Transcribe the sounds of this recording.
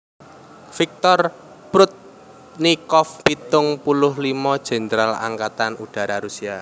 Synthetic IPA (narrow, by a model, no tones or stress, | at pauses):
fik̚t̪ɔr | pɾʊt̪̚ | nikɔfpit̪ʊŋpulʊhlimɔd̥ʒ̥e̤nd̪ɾala̰ŋkat̪anuɖ̥a̤ɾaɾusia